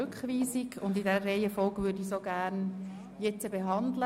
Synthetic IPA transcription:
ʉkχʋiːsiɡʰʊndidɛəreɪəfɔlɡvʏːɾdisoɡæɾn | jɛt͡səbeɦɑndlə

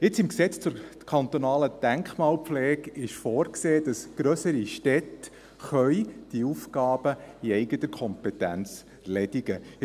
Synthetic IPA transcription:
ɪt͡sɪmksɛt͡st͡sʊɾkʰɑnt̪onɑːləd̥æŋkχmɑːlpflɛːɡɪʃfoːɾkseːd̥ɑsɡ̥ɾœsəɾiʃtɛt̪ | χœʏd̥iufɡɑːb̥əiɛɪɡət̪əkʰɔmpɛt̪ænt͡s | lɛdiɡə

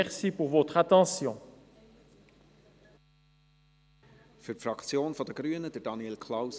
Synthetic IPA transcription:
ɛʁsipuʁvot̪χat̪ɑ̃sjɔ̃ | fyɾtfɾɑkt͡sjoːnfɔd̪əɡ̥ɾyənəd̪əɾdɑnjɛlkʰlaws

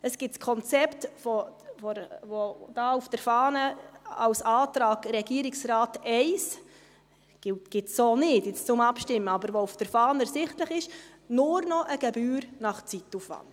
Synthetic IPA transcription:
əsɡ̥ɪtskʰɔnt͡sɛptfɔfɔɾvod̥ɑːufd̥əɾfɑːnəɑwsɑːtɾɑːɡɾɛɡ̥iːəɾɪksrɑːtɛɪs | ɡ̥ɪtɡ̥ɪtsoːnɪtjɪt͡st͡sʊmɑpʃtɪmːəɑbəɾʋoufd̥əɾfɑːnəɾsɪχtləχɪʃ | nʊɾnɔʔəɡ̥ɛbyːɾnɑχt͡sitːufʋɑ̰nt

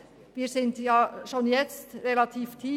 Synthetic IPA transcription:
ʋiːɾsɪnt̪jɑːʃoːnjɛt͡stɾɛlɑt̪ʰiːftʰiː

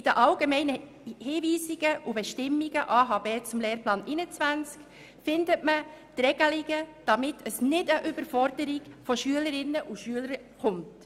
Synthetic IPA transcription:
ɪd̥əʔɑlɡemɛɪnə | hiːviːsiɡ̥əʔubɛʃtɪmːiɡ̥əʔɑːɦɑːbeːt͡sʊmleːɾplɑːnʔɪnət͡svænt͡sk | fɪndətmətɾɛɡ̥əlɪɡəd̥ɑmɪtʰəsnɪdəʔʏbəɾfɔɾdəɾɪɡfɔʃyələɾɪnːəʔuʃyələɾ | χʊmt

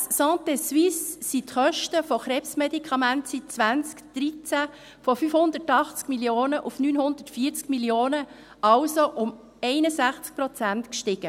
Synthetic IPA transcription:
ssɑ̃ːt̪eswisːitχœʃtəfɔχɾɛːpsmedikχɑmæntsit͡sʋænt͡skd̥ɾit͡sæ | fɔfyfhʊnd̪ətɑχt͡skmiljoːnəʔufnynɦʊnd̪ətfiːt͡skmiljoːnə | ɑlsoʔʊm | ɛɪnəsæχt͡sk̚pɾɔt͡sæntkʃtɪɡ̥ə

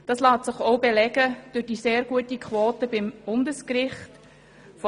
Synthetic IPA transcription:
d̥ɑslɑːtsɪχoʊbelɛɡ̥əd̥ʉɾd̥iːseːɾɡuətikχʋoːtəbɪmb̥ʊndəskrɪχt | fɔ

